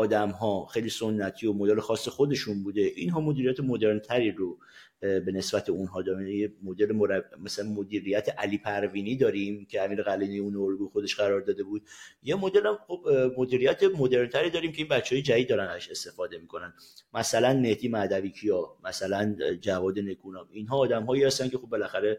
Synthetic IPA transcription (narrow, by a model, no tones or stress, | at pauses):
ɒːd̪æmɦɒxejliso̞nːæt̪ʰio̞mo̞d̪elexɒːsːe̞xo̞d̪e̞ʃunbuːd̪e̞ʔinɦɒːmo̞d̪iːɾijæt̪ʰe̞mo̞d̪e̞ɾnt̪ʰæɾiɾo | be̞ne̞sbæt̪ʰeunɦɒːd̪ɒːɾimjemod̪elemoɾæmæsælænmod̪iːɾijæt̪ʰeʔæliːpʰæɾviːniːd̪ɒːɾimcʰe̞æmiːɾeɣæliːnijunooɾɡujxo̞d̪e̞ʃɢæɾɒːɾd̪ɒːd̪e̞buːd̪̥̚jemo̞d̪e̞læmχo̞bmo̞d̪iːɾijæt̪ʰe̞mo̞d̪e̞ɾnt̪ʰæɾiːd̪ɒːɾiːmcʰʲeinbæt͡ʃʰːeɒːjed͡ʒæid̪̚d̪ɒːɾænæzæʃe̞st̪e̞fɒːd̪e̞miːkʰo̞nænd̪mæsælænme̞hd̪imæd̪æviːkʰiɒmæsælænd͡ʒævɒːd̪e̞ne̞kʰuːnɒminɦɒːd̪æmɦɒːihæst̪æncʰʲe̞xobːe̞læxæɾe